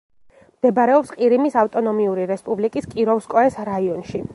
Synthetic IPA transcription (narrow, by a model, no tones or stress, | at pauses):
md̪̥ɛbaɾɛɔpsqʼiɾimisaft̪ʼɔnɔmiuɾiɾɛspʼublikʼiskʼiɾɔfskʼɔɛsɾaiɔnʃi